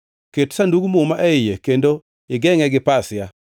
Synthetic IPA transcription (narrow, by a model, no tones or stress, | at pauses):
ketsanduɡumumaʔɛɪjekendo | ɪɡɛŋɛɡɪpasɪja